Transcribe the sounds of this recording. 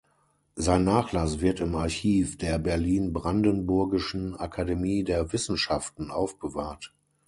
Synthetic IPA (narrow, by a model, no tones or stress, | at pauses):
zaɪnːaːχlasv̥ɪɐtɪmaɐçiːfd̥eːɐbɛɐliːnbʁandənbʊɐɡɪʃn̩ʔakʰademiːdeːɐvɪsn̩ʃaftn̩ʔaʊfb̥əvaːɐt